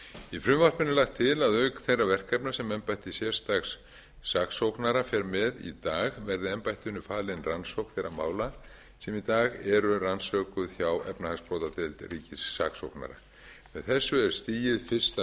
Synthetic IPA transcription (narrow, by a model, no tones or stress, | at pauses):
ifɾʏmvar̥pɪnːɪlaxt̪ʰːɪlaðœɥkθejrːavɛr̥kɛpnḁsɛmɛmpajht̪isjɛr̥st̪axsː | aksowknaɾafjɛɾmɛðḭt̪aːɣvɛɾðɪɛmpajht̪ʏnːʏfaːlɪnransowkθejɾama̰ːwla | sɛmit̪aːɣɛɾʏransœːkʏðçjawʔɛ̰pnahaspɾowt̪at̪ɪlt̪riːcɪsːa̰kso̰wkna̰ɾa̰ | mɛðθɛsːʏɛɾ̥st̪iːjɪðfɪr̥st̪a